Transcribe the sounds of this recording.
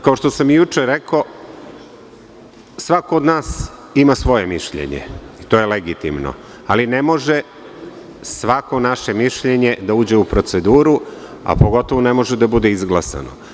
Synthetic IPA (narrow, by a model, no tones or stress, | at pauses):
kaoʃt̪o̞samjut͡ʂeɾeko̞ | sʋakoːd̪naːs | imasʋo̞jemiʃʎḛɲḛit̪o̞jeleɡit̪imno̰ | aline̞mo̞ʒe | sʋako̞naʃe̞miʃʎeɲed̪auːd͡ʑeupɾo̞t̪sed̪uːɾu | a̰po̞ɡo̞t̪o̞ʋone̞mo̞ʒed̪abud̪e̞izɡlˠasa̰no̰